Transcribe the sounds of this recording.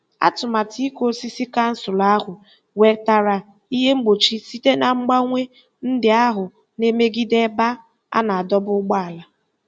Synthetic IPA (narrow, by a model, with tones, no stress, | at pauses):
a̰˦tʊ˨ma˨ti˦ko˦si˦si˦ka˦n̩˦sʊ˨la˦ɦʊ˨ | we˦ta˦ɾa˨ | i˦ɦe˦ŋ͡m̩˦ɡ͡bo˨t͡ʃi˦si˦te˦na˨ŋ͡m̩˦ɡ͡ba˦ŋʷe˦ | n̩˦dɪ˨a˦ɦʊ˨ | ne˦me˦ɡi˦de˦ba˦ | a̰˦na˨a˨dɔ˦bʊ˦ɡ͡ba˦a˨la˨